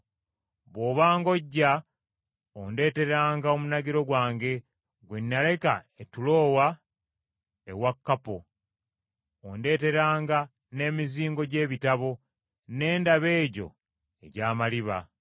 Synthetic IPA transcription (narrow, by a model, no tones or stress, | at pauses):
βoːβaːŋɡo̞ɟːa | onde̞ːte̞ɾaːŋɡao̞munaɡiɾo̞ɡwaːŋɡe̞ | ɡwenːale̞ka | etulo̞ːwa | ewakːapo | onde̞ːte̞ɾaːŋɡa | ne̞ːmiziːŋɡo̞ɟe̞ːβitaβo̞ | ne̞ːndaβe̞ːɟo̞̰ | e̞̰ɟaːmaliβa̰